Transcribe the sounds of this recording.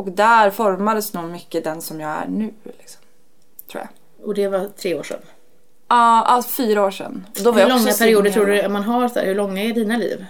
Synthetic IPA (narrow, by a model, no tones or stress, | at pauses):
ɔkd̪æɾfɔɾmad̪əsnuːmʏkːəd̪ɛnsɔmjɑːɡæ̰ɳʉ̟ːlɪksɔ̥m | t̪ʰɾṵːja̰ | ɔd̪ɛvat̪ʰɾeːoːʂɛ̰nː | ɑːʔɑfyːɾaoːʂɛ̰nːɔd̪ɔvaɾjaɔlɔŋːapʰæɾɪuːd̪əɾt̪ʰɾuːɖɵamanɦaɾsæ̰ːhɵɭɔŋːaɛɖiːnalḭːv